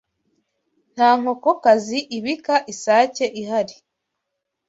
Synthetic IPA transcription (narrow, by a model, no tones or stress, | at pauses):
n̥aːŋ̥ho̞kokaziʔiβikaʔisaːce̞ʔihaɾi